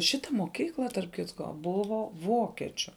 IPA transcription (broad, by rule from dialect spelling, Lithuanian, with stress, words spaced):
ˈʃʲɪtɐ moːˈkʲiːklˠɐ tɐrp ˈkʲɪtkoː ˈbʊʋoː ˈʋoːkʲɛt͡ʃʲʊ